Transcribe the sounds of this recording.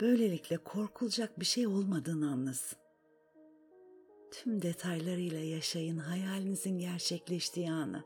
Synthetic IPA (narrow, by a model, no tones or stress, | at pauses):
b̥ø̞jlʲe̞lʲicʲlʲɛkʰo̞ɾkʰulˠd͡ʒak̚biʃejo̞lˠmad̪ɯːnannɯz | t̪ʰymd̪e̞t̪ʰajlˠaɾɯjlˠajaʃajɯnɦajaːlʲinizinɟæɾt͡ʃʰɛclʲɛʃt̪ʰiːanɯ̰